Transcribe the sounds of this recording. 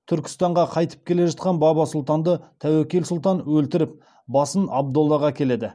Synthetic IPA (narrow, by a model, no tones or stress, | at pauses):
t̪ʰʏɾkʲɪ̥st̪ɑɴʁɑqʰɑjt̪ə̥p̚kʲʰe̞le̞ʒɑt̪̚qɑnbɑbɑsʊlˠt̪ɑnd̪ət̪ʰæwekʲelsʊlˠt̪ɑnwɵlt̪ɪɾɪp̚ | bɑsənɑb̚d̪olˠːɑʁɑkʲʰe̞le̞d̪ɪ